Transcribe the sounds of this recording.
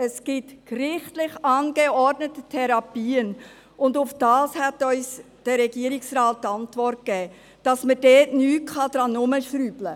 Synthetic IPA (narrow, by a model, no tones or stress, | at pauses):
əsɡ̥ɪtkrɪχtlɪχɑnɡeɔɾdnətətʰɛɾɑpiːən | ʊndʊfd̥ɑːshætɔʏs | d̥əɾɛɡiəɾɪksrɑːt̚tɑntvɔrt̚ɡ̥ɛː | d̥ɑsmədɛːtnyːt̚kχɑd̥ɾɑnʊməʃɾyːblə